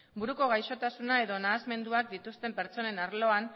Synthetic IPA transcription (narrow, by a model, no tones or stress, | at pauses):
buɾuko̞ɣ̞ajʃo̞t̪asunae̞ðo̞naːzme̞nd̪uak̚d̪it̪ust̪e̞mpe̞ɾt͡so̞ne̞naɾlo̞an